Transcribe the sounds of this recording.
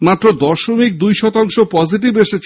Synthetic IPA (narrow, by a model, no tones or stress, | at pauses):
mat̪ːɾod̪ɔʃomik̚d̪ujʃɔt̪aŋʃopɔd͡ʑiʈ̬ibeʃet͡ɕʰ